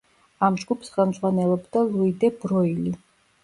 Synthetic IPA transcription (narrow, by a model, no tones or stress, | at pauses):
amʒɡupʰsχɛlˠmd̪zʁwanɛlˠɔbd̪alˠuid̪ɛbɾɔili